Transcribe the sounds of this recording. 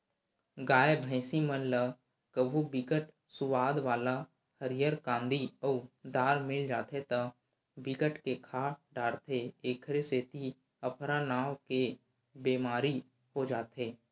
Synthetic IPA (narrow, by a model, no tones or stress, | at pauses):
ɡaːebʱɛ̃ɪsimənlə | kəbʱubɪkəʈ | sʊwaːd̪ʋaːla | həɾɪjəɾkãːnd̪ʱiɔːd̪aːɾmɪld͡ʒaːt̪ʰet̪ə | bɪkəʈkekʰaːʈɖaːɽt̪ʰeeːkʰɾeseːt̪i | əpʰɾanaːwke | beːmaːɾi | ɦod͡ʒaːt̪eː